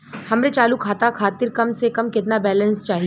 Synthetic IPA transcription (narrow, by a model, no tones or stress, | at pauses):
hɐmɾet͡ʃaːlukʰaːt̪akʰaːt̪ɪɾkɐmsekɐmkɪt̪nabɛːlə̃nst͡ʃaːɦi